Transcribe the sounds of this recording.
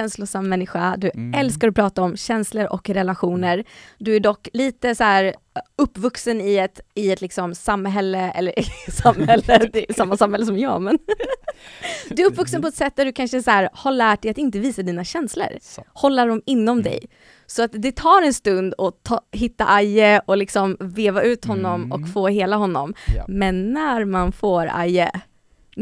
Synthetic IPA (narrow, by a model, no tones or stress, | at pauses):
ɛnslʊsamːɛnːɪɧad̪ɵɛlskaɾɔpʰɾɑːt̪aɔmɕɛnsləɾʔɔ̰kɾɛlaɧuːnəɾd̪ɵæɖɔkːliːt̪əsæːɾ | ɵpːvɵksənɪɛt̪ɪɛt̪lɪksɔmsamːɦɛlːəɛ̰lːəɾɪsamːhɛlːəd̪ɛsamːasamhɛlːəs̬ɔmjɑ̰ːmɛn | d̪ɵæɾɵpːvɵksənpɔɛt̪sɛt̪̚d̪æɖɵkʰanʂəsæːɾhaɭæːʈ̚d̪ɛjat̪ɪnt̪əviːsad̪iːnaɕɛnslə̰ɾhɔlːaɖɔmɪnːɔmd̪ɛ̰j | sɔat̪d̪ɛt̪ʰɑːɾɛnst̪ɵnd̪ɔt̪ʰɑːɦɪt̪ːaʔajəɔlɪksɔmveːvaʔʉ̟ːt̪hɔnːɔmɔkfoːheːlaɦɔnːɔ̰mmɛnːæɾmanfoːɾa̰jə̰